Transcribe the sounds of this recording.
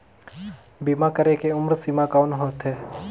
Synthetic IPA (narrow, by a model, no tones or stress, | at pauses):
bimakəɾekeʊmɾsimakaːnɦoːt̪ɦeː